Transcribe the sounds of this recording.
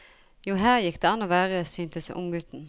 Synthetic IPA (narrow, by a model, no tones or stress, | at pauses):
juːɦæːʁjɪkd̪̥eːɑnːoːʋæːʁəsyːnt̪əsʔʊ̰mɡʉt̪n̩